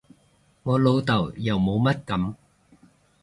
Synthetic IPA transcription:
ŋɔː˨˧lo˨˧wt̪ɐ˨˩wjɐ˨˩wmo˨˧wmɐ˥t̚kɐ˨˥m

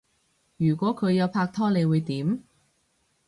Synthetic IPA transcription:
jyː˨˩kʷɔː˨˥kʰɵ˨˧ɥjɐ˨˧wpʰaː˧k̚t̪ʰɔː˥le˨˧jwuː˨˧jt̪iː˨˥m

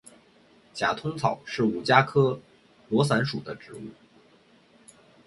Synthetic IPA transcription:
t͡ɕja˨˩t̪ʰʊ˥ŋt͡sʰɑ̰˨˩˦ʊʂɻ̩˥˩u˨˩t͡ɕja˥kʰɤ˥ | lwɔ˧˥s̬a˧˥nʂu˨˩d̪ə˦ʈ͡ʂɻ̩˧˥ṵ˥˩

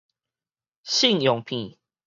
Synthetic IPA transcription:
ɕi˥˨ŋjɔ˨ŋpʰĩ˨˦

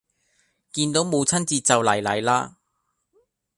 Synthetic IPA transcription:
kiː˧nt̪o˨˥wmo˨˧wt͡sʰɐ˥nt͡siː˧t͡sɐ˨wlɐ˨˩jlɐ̰˨˥jlaː˥

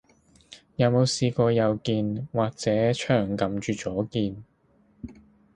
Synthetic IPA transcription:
jɐ˨˧wmo˨˧wsiː˨˧kɔː˧jɐ˨˧wkiː˧nwaː˨˩k̚t͡sɛː˨˥t͡ʃʰœː˨˩ŋkɐ˨mt͡ʃyː˨˧t͡sɔː˨˥kiː˧n

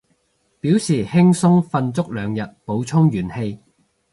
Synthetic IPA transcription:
piː˨˥wsiː˨˩hɪ˥ŋsʊ˥ŋfɐ˧nt͡sʊ˥k̚lœː˨˧ŋjɐ˨t̚po˨˥wt͡sʰʊ˥ŋjyː˨˩nhe˧j

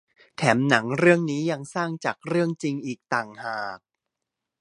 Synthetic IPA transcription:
t̪ʰɛː˩˦mna˩˦ŋɾɯ˥˩əŋniː˦˥ja˧ŋsaː˥˩ŋt͡ɕaː˨˩k̚ɾɯ˥˩əŋt͡ɕi˧ŋʔiː˨˩k̚t̪aː˨˩ŋhaː˨˩k̚

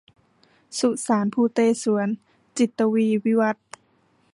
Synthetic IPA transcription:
su˧˩ʔsaː˩˦npʰuː˧˩t̪eː˧˩su˩˦ən | t͡ɕi˨˩t̪ːa˧wiː˧˨wi˦˧˥wa˧˦t̪̚

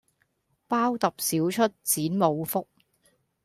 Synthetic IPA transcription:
paː˥wt̪ɐ˨p̚siː˨˥wt͡ʃʰɵ˥t̚t͡siː˨˥nmo˨˧wfʊ˥k̚

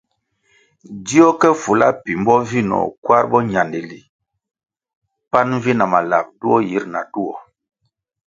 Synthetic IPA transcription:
di˦ɔ˦kɛ˦fu˨la̰˦pi˨mbɔ˦vi˦nɔ̰˨kwa˦ɾbɔ˦ɲa˨ndi˨li˨ | pa˦n˦vi˦na˨ma˨la̰˨p̚tu˦ɔ˦ji˦ɾna̰˨tu˦ɔ̰˨

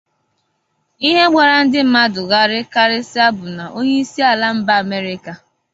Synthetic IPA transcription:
i˦ɦe˦ɡ͡ba˨ɾa˨n̩˦dɪ˦m̩˦ma˦dʊ˨ɣa˦ɾɪ˦ka˦ɾɪ˦sɪ˦a˦bʊ˨na˨ʔo˦ɲe˦i˦si˦a˨la˦m̩˦ba˦a˨me˦ɾɪ˦ka˨

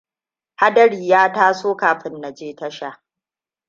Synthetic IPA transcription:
ha˦dɐ˦ɽiː˨jaː˦taː˦soː˦kaː˨ɸɪ˦nːa˨d͡ʒeː˦tɐ˦ʃa˦˨

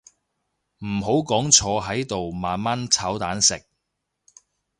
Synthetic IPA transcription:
m̩˨˩ɦo˨˥wkɔː˨˥ŋt͡ʃʰɔː˨˧ɦɐ˨˥jt̪o˨wmaː˨nma˥nt͡sʰɐː˨˥wt̪aː˨˥nsɪ˨k̚

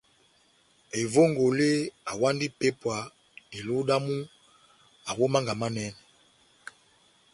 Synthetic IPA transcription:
e˨vo˦ŋɡo˨le˦a˨wa˦ndi˦pe˦pwa˨ | e˨lu˦ɗa˦mu˦ | a˨wo˦ma˦ŋɡa˨ma˦nɛ˦nɛ˨

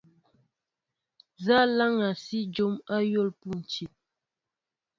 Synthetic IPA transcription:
za˦la˦ŋa˨si˦d͡ʒo˦ma˦jo˦˨lpu˦˨n̩˨t͡ʃi˨t̚

